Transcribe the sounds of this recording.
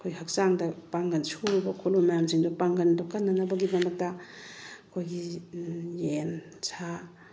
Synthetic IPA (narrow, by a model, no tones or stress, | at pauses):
kʰojhɐk̚saŋdɐpaŋɡɐnsuɾibɐkʰolumɐjamsiŋdopaŋɡɐndɔkɐnːɐnɐbɐɡimɐmɐk̚tɐ | ɐkʰojɡi | jensʰa